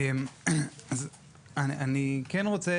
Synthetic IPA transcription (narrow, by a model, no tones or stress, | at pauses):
emaz | ananikɛnʁot͡se